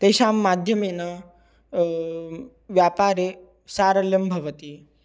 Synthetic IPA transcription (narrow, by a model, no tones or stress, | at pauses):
t̪eɕaːmːad̪ʱjəmenɐ | ʋjapaːɾe | saːɾɐljɐmbʱɐʋət̪i